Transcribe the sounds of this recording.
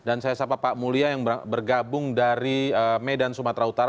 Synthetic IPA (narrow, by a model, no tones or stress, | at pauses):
dansajasapapaʔmuliajaŋbərɡabʊŋdaɾiəmedansumat̪ɾaut̪aɾa